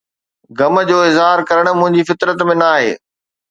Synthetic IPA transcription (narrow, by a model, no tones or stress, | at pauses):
ɡɐmə̆d͡ʑoːɪzɦaːɾkɐɾəɽ̃̆mʊ̃ɦɪ̃ɲd͡ʑifɪt̪ɾət̪mẽnaːɦḛː